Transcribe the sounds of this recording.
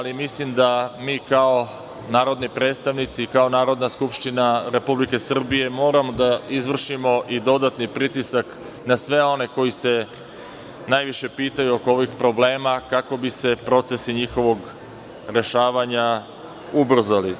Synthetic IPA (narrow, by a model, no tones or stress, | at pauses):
alimislimd̪amiːkao̞ | naːɾo̞d̪nipɾe̞ːt̪st̪aʋnit̪siːkao̞naːɾo̞d̪naskupʃt̪inaɾe̞publike̞sr̩bije̞mo̞ːɾamo̞d̪aizʋr̩ʃimo̞ʔid̪o̞d̪at̪nipɾit̪isak | nasʋe̞o̞ne̞ko̞jise̞ | naːjʋiʃe̞piːt̪ajuokooʋixpɾo̞ble̞ːmakako̞bise̞pɾo̞t̪se̞siɲixo̞ʋo̞ɡ | ɾe̞ʃaːʋaɲa | ubr̩zali